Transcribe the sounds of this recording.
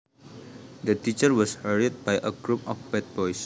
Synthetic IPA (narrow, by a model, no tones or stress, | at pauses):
d̪ətit͡ʃəɹwɔshəɹit̪̚bajʔəɡɹupɔfbɛt̚bɔjs